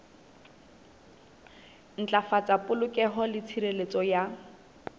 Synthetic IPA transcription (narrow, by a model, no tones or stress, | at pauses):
n̩t͡ɬʼafat͡sʼapʼʊlʊkʼɛɦɔlɪt͡sʰiɾelet͡sʼɔja